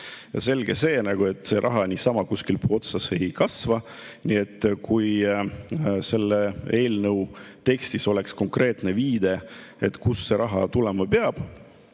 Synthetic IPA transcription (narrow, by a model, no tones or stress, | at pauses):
jɑ̰se̞lɡ̥e̞se̞ːnɑɡ̥ue̞t̪ːˑse̞ɾʔɑɦɑnisɑmɑkuskilpo̞t̪sɑse̞jkɑsvɑnie̞t̪ːkʰuj | se̞lːee̞ːlnəwt̪e̞kst̪iso̞le̞ksko̞ŋkre̞ːt̪ne̞viːd̪e̞e̞t̪ˑkusːe̞ɾʔɑɦɑt̪ulemɑpeɑb̥